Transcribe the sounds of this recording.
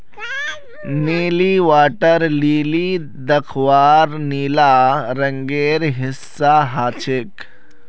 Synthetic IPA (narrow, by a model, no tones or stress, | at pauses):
niːliʋaːʈəɾliːli | d̪ɐkʰʋaːɾniːlaːɾɐ̃ŋɡeːɾɦɪsːaːɦaːt͡ʃʰɪk